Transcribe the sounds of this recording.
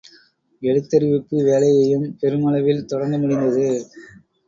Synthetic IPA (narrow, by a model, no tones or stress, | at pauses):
ɛɻɯt̪ːɐɾɪʋɪpːɯʋeːlɐjɐjɯmpɛɾɯmɐlɐʋɪlt̪ɔɽɐnɡ̪ɐmʊɽɪnd̪ɐðɯ